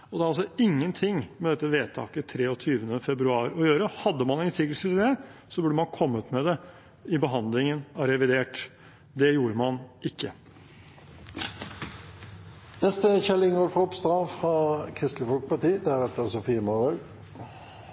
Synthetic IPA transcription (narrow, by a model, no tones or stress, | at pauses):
ɔd̪ɛːɾɑlsɔɪŋːənt̪ʰɪŋːmɛd̪ɛt̪ːəʋeːt̪ʰɑ̰ːkət̪ʰɾeːɔt̪ʰyːʋənəfɛbɾʉɑːɾɔjøːɾəhɑd̪ːəmɑnɛnsʰɪɡəlsət̪ɪd̪ɛsɔbʉɖːəmɑnkʰɔmːəʉt̪mɛd̪ɛ | ɪbəɦɑnd̪lɪŋənɑɾɛʋɪd̪eːʈ | d̪ɛjuːɾəmɑnɪkːə | nɛst̪əçɛlɪŋoːɾfʁɔɔpst̪ɾɑfʁɑkʰɾɪst̪ləfɔlkpʰɑt̪iːd̪ɛæɾɛt̪ːəsʊfiːəmɑʁəɡ